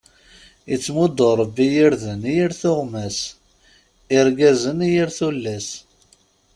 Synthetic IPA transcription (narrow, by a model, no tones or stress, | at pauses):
it͡sːmʊd̪oɾˤəbːijiɾðənjiɾθʊʁmæs | ɪɾɡæzənjiɾθulːæs